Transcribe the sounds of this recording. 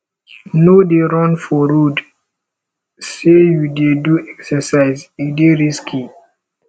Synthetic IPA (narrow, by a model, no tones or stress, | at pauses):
nodeɾɔ̃nfɔɾod | sejudeduɛksɛsaɪzideɾiskʰi